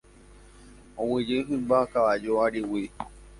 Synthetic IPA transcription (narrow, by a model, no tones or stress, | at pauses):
õwɨ̃d͡ʒɨɦɨ̃mbakaʋad͡ʒoaɾiwi